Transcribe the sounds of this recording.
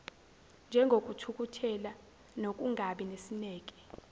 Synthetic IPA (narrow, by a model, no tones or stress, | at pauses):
nd͡ʒʱɛŋɡʱokʼutʰuk̬ʼutʰɛla | nokʼuŋʱaɓinesinɛːk̬ʼɛ̥